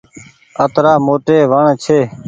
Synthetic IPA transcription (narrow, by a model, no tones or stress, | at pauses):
ət̪ɾaːmoːʈeːʋəɳt͡ʃʰeː